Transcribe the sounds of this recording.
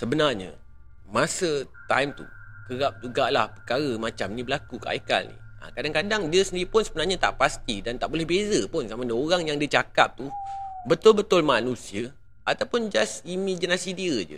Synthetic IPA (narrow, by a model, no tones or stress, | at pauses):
səbənarɲa̰ | mãsət̪a̰jmt̪ṵkəɾap̚d͡ʒuɡaʔlahpə̥rkaɾamãt͡ʃamnĩbəlakukaʔa̰ika̰lnḭa̰kadaŋkadaŋdiəsəndiɾipʊnsəbənarɲat̪a̰ʔpast̪idant̪aʔbolɛhbezəpʊnsamadaoɾaŋjaŋdiət͡ʃaka̰p̚t̪ubət̪ʊlbət̪ʊlmanũsiə | at̪awpʊnd͡ʒasimad͡ʒinasidiəd͡ʒə̰